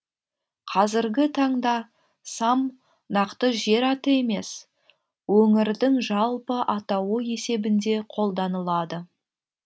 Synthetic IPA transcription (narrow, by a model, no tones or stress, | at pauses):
qʰɑzɪɾɡʲɪt̪ʰɑɴd̪ɑ | sɑm | nɑqt̪əʒe̞ɾɑt̪əe̞me̞s | wɵŋɪɾd̪ɪŋʒɑlˠpəʔɑt̪ɑwəje̞se̞bɪnd̪e̞qʰo̞lˠd̪ɑnəlˠɑd̪ə